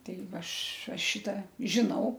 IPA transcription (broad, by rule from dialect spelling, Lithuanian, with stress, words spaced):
ˈtʲɛɪ ˈʋɐ ˈɐʃ ˈɐʃ ˈʃʲɪtɐ ʒʲɪˈnɐʊ